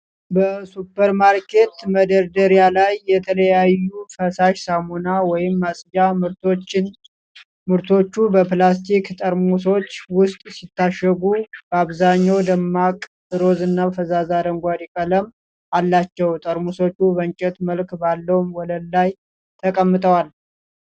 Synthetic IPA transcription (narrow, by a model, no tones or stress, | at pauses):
bəsupːəɾmaɾkʰe̞t̪məd̪əɾd̪əɾjalajːɛt̪ʰələjajːufəsaʃsamonawɔjɪmːasʼd͡ʒa | mɨɾt̪ʰo̞t͡ʃːubəplast̪ʰikt̪ʼəɾmuso̞t͡ʃːwʊst̪ʼsit̪ːaʃːəɡubəaβzaɲːawd̪əmːakʼ | ɨɾo̞zɨnːabəfəzazad̪əŋɡʷad̪ikʼələm | alːat͡ʃːɛwt̪ʼəɾmuso̞t͡ʃːubəɲt͡ʃʼɛt̪məlkbalːəwmwɔləlːaj | t̪ʰəkʼəmːɨt̪ʼəwal